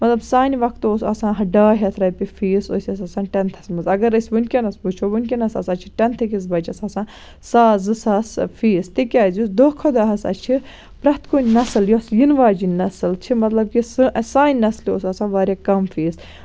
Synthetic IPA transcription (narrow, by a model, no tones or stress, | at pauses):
mɐt̪lɐbsaːnʲiʋɐkt̪ːoːsɐ̰sãːɦɐɖaːɦʲɐt̪ʰɾɐpʲifiːso̰sʲɐsɐsãːnʈɐnt̪ʰɐsmɐzɐɡɐɾɐsʲʋunʲkʲenɐsbut͡ʃʰoʋunʲkʲinɐsɐ̰sɐt͡ʃʰi̥ʈɐnt̪ʰɐkis̬bɐt͡ʃʰɐsɐsãː | saːzɨsɐsfiːst̪ikʲaːzʲusd̪okʰod̪ɐɦɐsɐ̰t͡ʃʰi | pɾɐt̪koːnʲnɐsɨljosjinʋaːd͡ʒinɐsɨlt͡ʃʰimɐt̪lɐb̚kisɨʔɐsaːnʲnɐsljoːsɐsãːʋaːɾʲaːkɐmfiːs